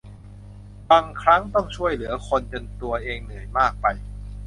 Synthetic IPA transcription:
baː˧ŋkʰɾa˦˥ŋt̪ɔ˥˩ŋt͡ɕʰu˥˩əjlɯ˩˦ɐkʰo˧nt͡ɕe˧nt̪u˧ɐʔeː˧ŋnɯ˨˩ə˦jmaː˥˩k̚pa˧j

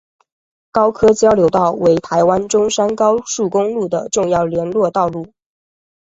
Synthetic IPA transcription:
kɑ˥ʊkʰɤ˥t͡ɕjɑ˥ʊljo˧˥ʊt̪ɑ˥˩ʊwe˧˥ɪt̪ʰa˧˥ɪwa˥nʈ͡ʂʊ˥ŋʂa˥nkɑ˥ʊʂu˥˩kʊ˥ŋlu˥˩d̪ə˩ʈ͡ʂʊ˥˧ŋjɑ˥˩ʊljɛ˧˥nlwɔ˥˧t̪ɑ˥˧ʊlu˥˩

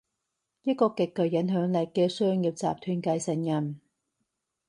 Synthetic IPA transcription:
jɐ˥t̚kɔː˧kɪ˨kːɵ˨˩ɥjɐ˨˥nɦœː˨˥ŋlɛ˨˩kkːɛː˧sœː˥ŋjiː˧w̚t͡sa̰ː˨p̚t̪ʰyː˧nkɐ˧jsɐ˨njɐ˨˩m

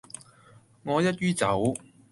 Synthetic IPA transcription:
ŋɔː˨˧jɐ˥t̚ɥyː˥t͡sɐ˨˥w

